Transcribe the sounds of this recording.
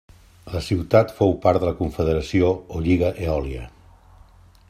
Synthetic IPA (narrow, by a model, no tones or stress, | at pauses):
ləsiwt̪at̪fowpaɾd̪ələkuɱfəðəɾəsiooʎiɣəʔeɔliə̰